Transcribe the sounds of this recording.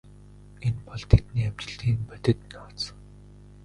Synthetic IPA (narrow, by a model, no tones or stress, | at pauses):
enpɔɮt̪ʰet̪niːam̥t͡ɕɪ̆ɮiːŋpœt̪ʲɪ̆t̪nɔːsə̥̆ŋ